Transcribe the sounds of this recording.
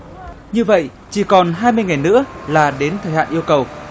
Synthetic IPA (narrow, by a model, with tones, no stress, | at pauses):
ɲɨ˧və̰˧˨j | t͡ɕi˧˩kɔ˨˩nɦaː˧jmɨ˧əjŋa˨˩jnɨ̰˧˥əlaː˨˩ɗe˨˦nt̪ʰəː˨˩ha̰ː˧˨ʔi˧əwkə˨˩w